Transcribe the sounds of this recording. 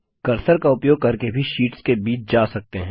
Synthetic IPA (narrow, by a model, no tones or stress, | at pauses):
kɐɾsəɾkaʊpjoːɡ̚kɐɾkebʱiʃiːʈskebiːt͡ʃʰd͡ʒaːsɐk̚t̪eɦɛ̃